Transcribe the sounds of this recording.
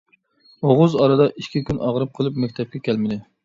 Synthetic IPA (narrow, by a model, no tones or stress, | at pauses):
oʁʊzɑɾɨd̪ɑʔiʃkʲikʲʰynʔɑʁɾɨp̚qʰəlˠɨpmɛk̚ʲt̪ʰɛp̚kʲʰɛkʲʰɛlmɪd̪ɪ